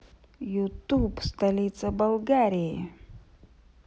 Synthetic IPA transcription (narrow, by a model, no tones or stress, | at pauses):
jut̪ubst̪ɐlʲit̪səbɐlˠɡaɾʲijeə